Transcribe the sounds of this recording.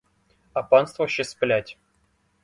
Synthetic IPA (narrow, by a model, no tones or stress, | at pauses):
apɑnst̪vəɕːɪsplʲætʲ